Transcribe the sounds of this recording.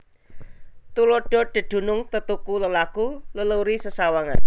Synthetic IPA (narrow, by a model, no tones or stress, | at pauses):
t̪uloɖ̥ɔ̤ɖ̥ə̤ɖ̪̥ṳnʊŋt̪ət̪ukuləlakulələwɾisəsawaŋa̰n